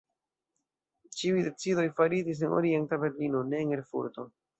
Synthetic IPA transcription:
t͡ʃiujde̞t͡sido̞jfaɾid͡ʒis̬e̞no̰ɾientabe̞ɾlinone̞ːŋeɾfṵɾto̞

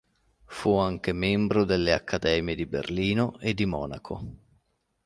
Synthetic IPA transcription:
fuaŋk̟emɛmbɾod̪elːea̰kʰːad̪ɛːmjed̪ibḛrliːnoed̪ːimɔ̰ːna̰kʰo̰

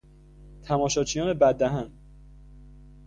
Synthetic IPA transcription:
t̪ʰæmɒːʃɒːt͡ʃʰijɒːnebæd̪ːæɦæn

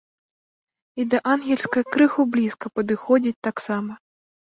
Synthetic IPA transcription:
id̪ɐʔanɣʲɛlʲsʲkɐkɾɨxublʲiskɐpɐd̪ɨxɔd͡zʲit͡sʲt̪aksamɐ

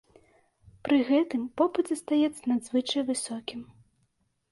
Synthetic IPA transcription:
pɾɨɣɛt̪ɨmpɔpɨt̪zʲɐst̪ajɛt̪sːɐnad̪zvɨt͡ʂɐjvɨsɔkʲim

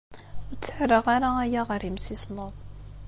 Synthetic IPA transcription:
ʊɾt͡sːəħɾəʁaɾaæjaʁɾimsisməðˤ

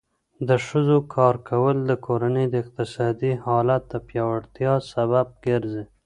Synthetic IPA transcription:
d̪əʃəzokʰɑɾkʰawəld̪əkʰoɾanəjd̪əɪq̚t̪ɪsɑd̪ihɑlat̪̚d̪əpjɑwaɽt̪jɑsaβab̚ɡeɾze

